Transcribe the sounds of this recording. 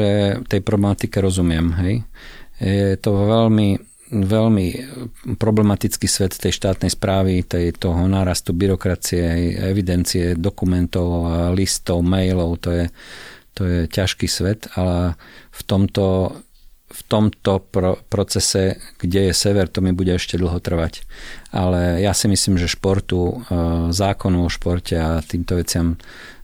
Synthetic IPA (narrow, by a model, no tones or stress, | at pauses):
ɛt̪ɛjpɾɔblɛmat̪ikɛɾɔzumɪɛmɦɛj | jɛt̪ɔʋɛlmi | ʋɛlmipɾɔblɛmat̪it͡skiːsʋɛt̪t̪ɛjʃt̪aːt̪nɛjspɾaːʋit̪ɛjt̪ɔɦɔnaːɾast̪ubiɾɔkɾat͡siɛɦɛjɛʋid̪ɛnt͡siɛd̪ɔkumɛnt̪ɔʊalist̪ɔʊmɛjlɔʊt̪ɔjɛt̪ɔjɛcaʃkiːsʋɛt̪ʰalft̪ɔmt̪ɔ | ft̪ɔmt̪ɔpɾɔpɾɔt͡sɛsɛɡ̥ɟɛjɛsɛʋɛɾt̪ɔmibuɟɛɛʃcɛd̪l̩ɦɔt̪r̩ʋacʔalɛjasimisliːmʒɛʃpɔɾt̪u | zaːkɔnɔʊɔʃpɔɾcʰɛat̪iːmt̪ɔʋɛt͡sɪam